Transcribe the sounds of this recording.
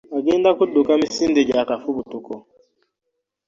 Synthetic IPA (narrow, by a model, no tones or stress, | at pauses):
aɡendakuɗukamisinded͡ʒakafubutukɔ